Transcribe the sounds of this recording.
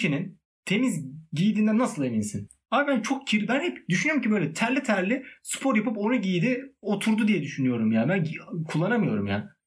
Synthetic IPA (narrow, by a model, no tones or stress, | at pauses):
inin | t̪ʰe̞mizɟijd̪iːnd̪ænːasɯlˠe̞vinsin | abænt͡ʃʰo̞k̚cʰiɾid̪ʲænhɛpd̪yʃynyoɾumcʰibøjlʲɛt̪ʰæɾlʲit̪ʰæɾlʲɪspʰoɾjapɯpo̞naɟiːd̪ɪo̞t̪ʰuɾd̪ud̪ijɛd̪yʃynyjo̞ɾumjaːnbænkʰulˠːanamɯjo̞ɾumjaː